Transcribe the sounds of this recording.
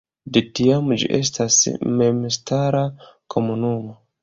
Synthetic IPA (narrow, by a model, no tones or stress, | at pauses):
detiamd͡ʒḭʔḛstʰasmemstaɾakʰo̞munumo